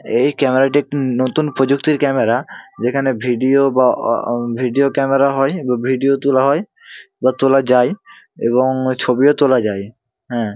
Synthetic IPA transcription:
ejkɛmeɾaʈ̬inot̪unpɾod͡ʑukt̪iɾkɛmeɾad͡ʑekʰanebʱiɖiobabʱiɖiokɛmeɾaɦɔjbabʱiɖiot̪ulaɦɔj | bat̪olad͡ʑaj | ḛβoŋt͡ɕʰobiot̪olad͡ʑaj | ɦɛ̃

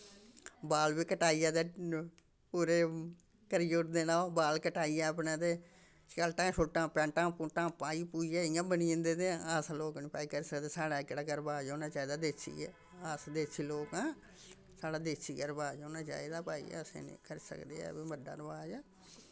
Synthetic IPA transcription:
baːlʋiːkəʈaːiːjãːd̪eː | puːɾeː | kəɾijoːʈd̪eːnaːbaːlkəʈaːijãːəpnãːt̪eː | kəlʈãːʃoːʈːãːpɛ̃ːʈãːpuʈãːpaːiːpuːijaːɪjãːbəniə̃nd̪eːt̪eːaːsloːknĩːpaːiːkəɾsəkd̪eːsaːɽaːɪkɽaːkəɾbaːd͡ʒoːnaːt͡ʃaːid̪aːd̪eːsḭːɛ̰ː | aːsd̪eːsʰiːloːkãː | saːɽaːd̪eːsiːkəɾbaːd͡ʒoːnãːt͡ʃa̰ːid̪aːpaːḭːəsḛ̃ːnḭ̃kəɾiːsə̰kd̪ḛːɛ̰ːbiːməɖa̰ːɾbaːd͡ʒɛː

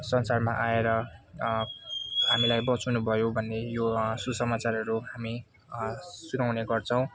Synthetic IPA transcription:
sʌnsarmaʔaeɾʌ | ɦamilajbʌt͡sunubʱʌjobʱʌnːejosusʌmat͡sarʌɾuɦami | sunawneɡʌrt͡sʰʌw̃

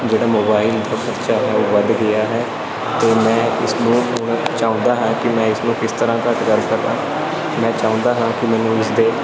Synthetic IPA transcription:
d͡ʒeːɽaːmoːbaːɪld̪ʱaːbəɾt͡ʃaːɦɛːoːʋəd̪ɡɪjaːɦɛː | t̪eːmɛ̃ːɪsnũːʊnt͡ʃaːõːnd̪aːɦãːkɪmɛ̃ːɪsnũːkɪst̪əɾãːkəʈkəɾkəɾd̪aː | mɛ̃ːt͡ʃaːõnd̪aːɦãːkɪmɛ̃ːnũːɪsd̪eː

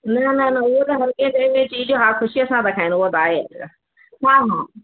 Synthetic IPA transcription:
nɐnɐnɐʊɦot̪ɐɦɐɾkẽtɐ̃ɦɪ̃mẽt͡ɕiːd͡ʑoɦaːlxʊʃiɐsãt̪ɐkʰaːɪ̃nʊɦot̪aːɦeɐ̰tʰ | ɦãːɦãː

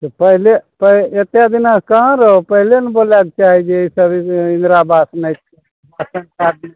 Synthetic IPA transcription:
t̪opəɦlepəet̪jad̪inaskãɾəɦopəɦilenboːlak̚t͡ʃaːɦid͡ʒeisəbiɪ̃nd̪ɾabasnət̪ | əsənkad̪i

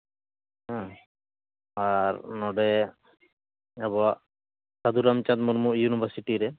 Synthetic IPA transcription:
ɦã | aɾnɔɖɛ | ɛbɔa | sad̪uɾamt͡ʃat̪̚muɾmuʔjunibʱaɾsiʈiɾɛ

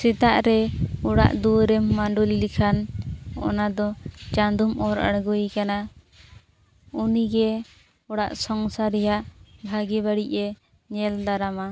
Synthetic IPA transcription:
sɛt̪aʔɾɛuɽa̰ʔd̪uɾɛmːaɳɖulilikʰanɔ̰nad̪ɔt͡ʃãnd̪umʔɔɾa̰ɽɡujkana | uniɡɛ | ɔɽaʔsɔŋsaɾɛjaʔbʱaɡibaɽiʔɛ | ɲɛld̪aɾama

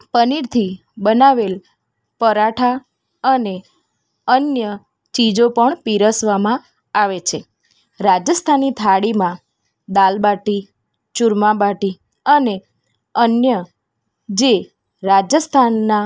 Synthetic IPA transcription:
pəniɾt̪ʰi | bənaʋel | pəɾaʈʰa | əne | ənjə | t͡ʃid͡ʒopəɳpiɾəsʋamã | aʋet͡ʃʰe | ɾad͡ʒəst̪ʰanit̪ʰaɽimã | d̪albaʈi | t͡ʃuɾmãbaʈi | əne | ənjə | d͡ʒe | ɾad͡ʒəst̪ʰanːa

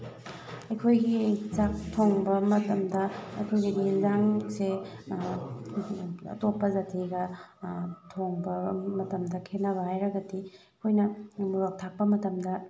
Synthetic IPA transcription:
ɐjkʰojɡit͡ʃak̚tʰoŋbɐmɐtɐmdɐɐ̰jkʰojɡilizaŋse | ɐ̰topːɐzatʰiɡɐ | tʰoŋbɐmɐtɐmdɐkʰenːɐβɐhajɾɐɡɐdiɐkʰojnɐmuɾak̚tʰak̚pɐmɐtɐmdɐ

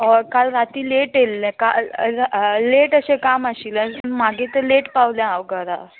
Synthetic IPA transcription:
ɔɾkalɾat̪iːleʈelːẽkal | leʈəɕekamaɕilənm̤aɡet̪əleʈpaʋljãawɡəɾa

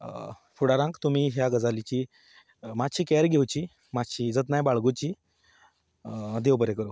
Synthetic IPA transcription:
fuɽaɾãŋkt̪um̤iːɦjaɡəd͡zalit͡ɕi | maɕiːkɛɾɡʱewt͡ɕiː | maɕiːd͡zət̪najbaɭɡut͡ɕiː | d̪eʋwbəɾekəɾo

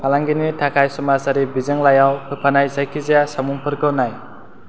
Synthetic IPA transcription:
pʰalaŋɡinitʰakʰajsɔmasaɾibizɯŋlajawpʰɯpʰanajzajkʰizijasamuŋpʰɯɾkʰɯnaj

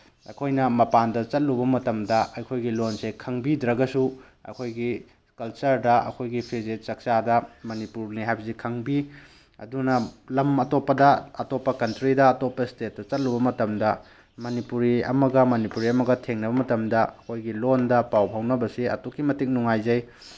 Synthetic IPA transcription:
ɐ̰jkʰojnɐmɐpandɐt͡ʃɐt̚lubɐmɐtɐmdɐɐjkʰojɡilonsekʰɐŋbidɾɐɡɐsu | ɐ̰jkʰojɡi | kɐlt͡ʃɐɾdɐʔɐ̰kʰojɡipʰezet̚t͡ʃɐk̚t͡ʃadɐmɐnipuɾniɦajbɐzikʰɐŋbi | ɐ̰dunɐlɐmɐtopːɐdɐɐtopːɐkɐntɾidɐːtopːɐstet̚ːɐt͡ʃɐt̚lubɐmɐtɐmdɐ | mɐnipuɾiɐ̰mɐɡɐmɐnipuɾiɐmɐɡɐtʰeŋnɐbɐmɐtɐmdɐɐkʰojɡilondɐpawpʰawnɐbɐsiɐ̰tokːimɐtiŋk̚nuŋajzɐj

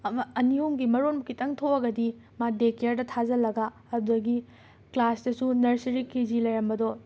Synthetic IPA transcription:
ɐmɐːnihumɡimɐɾonbɐkitɐŋtʰoɐɡɐdi | madekeɾdɐtʰazɐlɐɡaːduɐɡi | klasdɐsunɐɾsɐɾikʰːizilɐjɾɐmbɐdɔ

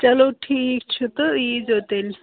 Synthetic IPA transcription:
t͡ɕɐloʈʰiːkt͡ʃʰut̪əiːd͡zɦot̪el

